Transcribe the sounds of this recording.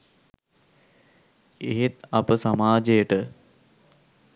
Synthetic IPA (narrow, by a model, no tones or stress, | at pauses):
eɦet̪ɐpəsamaːd͡ʒejəʈə